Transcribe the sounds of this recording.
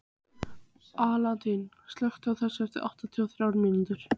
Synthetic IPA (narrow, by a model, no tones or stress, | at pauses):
aːlat̪in | st̪lœxt̪ʏawθɛsːɛft̪ɪʔa̰wht̪at̪ʰiɔθɾaːwɾmint̪ʏɾ̥